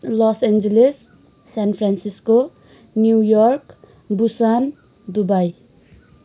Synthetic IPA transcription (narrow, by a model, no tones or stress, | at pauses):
lɔsend͡ʒeles | sanpʰɾansisko | njujɔrk | busan | d̪ubaj